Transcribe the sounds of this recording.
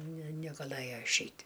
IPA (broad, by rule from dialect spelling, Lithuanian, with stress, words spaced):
nʲɛ nʲɛɡɐˈlˠɘjoː ɪʃʲˈɛɪtʲ